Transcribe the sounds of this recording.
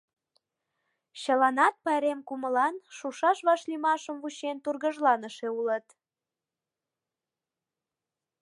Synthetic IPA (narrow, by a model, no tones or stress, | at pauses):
ɕəlɑnɑt̪̚pɑeɾemkuməlɑnʃuʃɑʃβɑʃlimɑʃəmvuɕent̪urɣəʒlɑnəʃeulət̪